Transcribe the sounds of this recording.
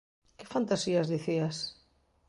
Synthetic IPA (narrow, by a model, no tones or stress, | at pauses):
kɪfant̪asiazðiθias